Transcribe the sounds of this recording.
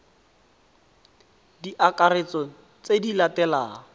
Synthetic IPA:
diʔakaɾet͡sɔ | t͡sedilatɛlaː

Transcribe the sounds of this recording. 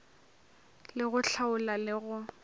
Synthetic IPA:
lɪɣʊɬʰaʊlalɪɣʊ

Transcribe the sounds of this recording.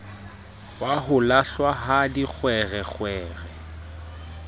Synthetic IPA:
waɦʊlaɬwaɦadik͡xʰwɛɣɛk͡xʰwɛːɣɛ

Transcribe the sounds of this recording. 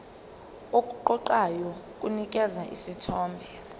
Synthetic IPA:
okʼuǃɔǃajɔk̬ʼunik̬ʼɛzaʔḭsitʰɔːmbʱɛ

